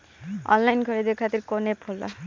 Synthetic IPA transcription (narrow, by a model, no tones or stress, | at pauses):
ʌ̰nlajnkʰʌɾid̪ekkʰat̪irkonepʰolːʌ̰